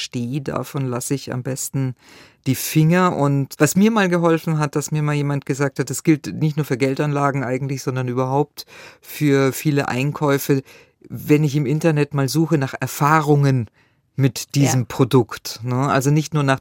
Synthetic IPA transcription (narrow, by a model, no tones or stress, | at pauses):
ʃteːda̰fɔnlasɪça̰mbɛstn̩ | d̥iːfɪŋɐʔʊntvasmiːɐmaːlɡəɦɔlfn̩ɦat̚d̥asmiːɐmaːljeːmant̚ɡ̥əzaːk̚that̚d̥asɡ̥ɪltnɪçtnuːɐfyːɐɡɛltanlaːɡŋ̩ʔaɪɡŋ̩tlɪçz̥ɔndɐnʔyːbɐɦaʊp̚tfyːɐfiːləʔa̰ɪnkʰɔʏfə | vɛnɪçɪmʔɪntɐnɛtmaːlzuːxənaːχʔɛɐfaːʁʊŋən | mɪtd̥iːzəmpʁ̥odʊktnəʔa̰lzonɪçtnuːɐnaːχ